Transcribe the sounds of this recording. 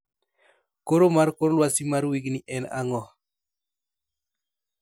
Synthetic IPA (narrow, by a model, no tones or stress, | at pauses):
koɾomaɾkoɾolwasimaɾwiɡniʔɛna̰ŋɔ